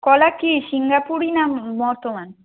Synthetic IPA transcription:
kɔlakisiŋɡapuɾinabɔɾt̪oman

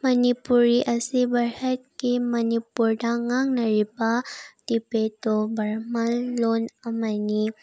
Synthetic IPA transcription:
mɐnipuɾiʔɐsibɐɾət̚kimɐnipuɾdaŋaŋnɐɾibad̥ipetobɐɾmɐlːonɐmani

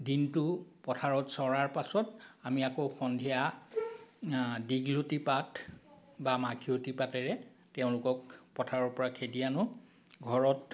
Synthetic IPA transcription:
dintʊpɔtʰaɹɔtsɔɹaɹpasɔtamiakoxɔndʱija | diɡlotipat | bamakʰiotipatɛɹɛ | tɛʊ̃lʊkɔk̚pɔtʰaɹɔɹpɔɹakʰedijanʊ | ɡʱɔɹɔt

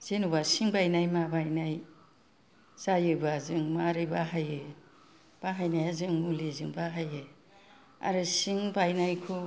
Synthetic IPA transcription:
z̥enubasiŋbajnajmabajnaj | zajɯbazɯŋmaɾɯbaɦajɯ | b̥aɦajnajazɯŋulezɯŋbaɦajɯ | a̰ɾɯsiŋbajnajkʰu

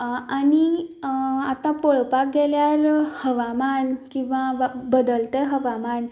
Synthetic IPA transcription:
ani | at̪ãpoɭpak̚ɡɛljaɾhəʋamankĩw̃ʋaʋbəd̪əlt̪eɦəʋaman

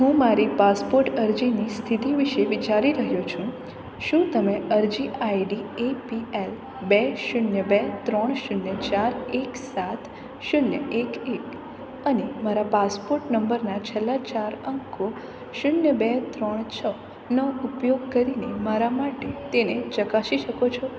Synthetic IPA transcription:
ɦũmaɾipaspoɾʈəɾd͡ʒinist̪ʰit̪iʋiʃeʋit͡ʃaɾiɾəɦjot͡ʃʰũ | ʃũt̪əmeəɾd͡ʒiʔajɖiepiel | bɛʃʊnjəbet̪ɾəɳ̃ʃʊnjət͡ʃaɾeksat̪ʰ | ʃʊnjə̰ʔekek | ənemaɾapaspoɾʈnəmbəɾnat͡ʃʰelːat͡ʃaɾəŋkʰo | ʃʊnjəbet̪ɾəɳ̃t͡ʃʰə | nəupjoɡkəɾinemaɾamaʈet̪enet͡ʃəkaʃiʃəkot͡ʃʰɔ

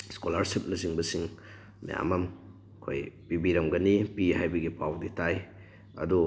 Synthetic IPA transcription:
skolaɾsip̚nɐsiŋbɐsiŋ | mḭja̰mɐm | kʰo̰jpibiɾɐmɡɐnipihajbɐɡipʰawditaj | ɐ̰du

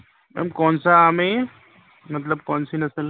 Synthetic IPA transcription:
mɛ̰mkɔːnsaaːmẽ | mɐt̪̬ləb̚kɔːnsinɐsəl

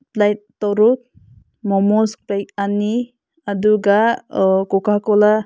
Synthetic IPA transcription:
plajt̚tːɔɾut̪̚ | mɔmɔskplajkani | aduɡakɔkʰakɔla

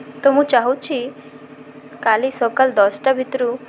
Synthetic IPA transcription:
t̪ɔmũt͡ʃaɦut͡ʃʰi | kalisɔkəld̪ɔsʈabʱit̪ɾu

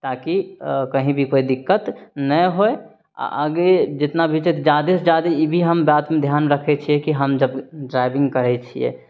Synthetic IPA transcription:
t̪akikəɦĩbʱikoid̪ɪkːət̪nəɦoe | a̰ʔə̰ɡed͡ʒɪt̪nabʱit͡ʃɛt̪d͡ʒad̪esd͡ʒad̪eibʱiɦəmbaːt̪mẽd̪ʱjaːnɾəkʰɛt͡ʃʰiɛkiɦəmd͡ʒəbɖɾaɪbɪ̃ŋɡkəɾɛt͡ʃʰiɛ̰

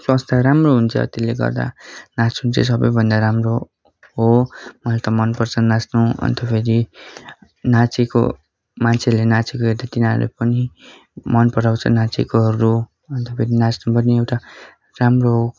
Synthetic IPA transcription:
swast̪ʰaɾamroɦunt͡sʰʌ̰t̪elːeɡʌ̰rd̪a̰nat͡sunt͡ses̬ʌbʌjbʱʌnd̪aɾamro | ɦomʌlt̪ʌmʌnpʌrt͡sʰʌnasnuʌ̰nt̪ʌpʰeɾi | nat͡sʰiko̰ | mant͡sʰeʌɾulenat͡sikoeɾd̪at̪inaɾlḛpʌni | mʌnpʌɾawt͡sʰʌ̰nat͡sikoɦʌɾu | ʌnt̪ʌpʰeɾinat͡snupʌniewʈa | ramroɦo

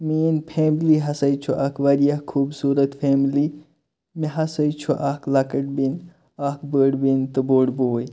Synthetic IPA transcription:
miːnpʰeːmliɦɐsɐjt͡ʃʰuʔɐkʰʋɐɾijɐhkʰːuːbsuːɾɐt̪pʰeːmli | meɦɐsɐjt͡ʃʰuʔaklɐkɐʈ̚bin | akbəːɖbint̪ɨboːɽboːj

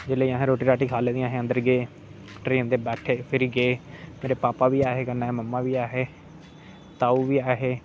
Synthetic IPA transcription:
d͡ʒɪleːãːɦẽɾoːʈiːɾaːʈiːkʰaːleːd̪ĩaːɦeːə̃nd̪əɾɡeː | ʈɾeːnd̪eːbɛːʈʰeːpʰɪɾiːɡeːmeːɾeːpaːpaːʋiːaːɦeːkənːaːeːməmːãːʋiːaːɦeː | t̪aːuːʋiːaːɦeː

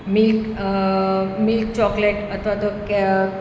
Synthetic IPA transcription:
milk | milk̚t͡ɕɔkleʈət̪ʰʋat̪ok

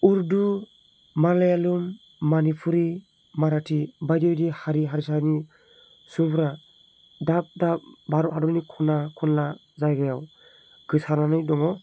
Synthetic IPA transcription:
uɾdu | maɾlajalumː | anipʰuɾi | maɾatʰibajdibdihaɾiɦaɾisani | supʰɾa | dap̚dap̚baɾɔadɔnikʰɔnakʰɔnla | zajɡajaw | ɡɯsananɯjdɔŋɔ

